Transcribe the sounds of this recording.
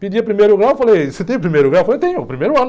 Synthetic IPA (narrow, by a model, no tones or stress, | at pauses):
pid͡ʒiɐpɾimejɾʊɣɾawfalejsɪt̪ẽj̃upɾimejɾʊɣɾawfɐlejt̪ẽɲʊpɾimejɾuɐ̃n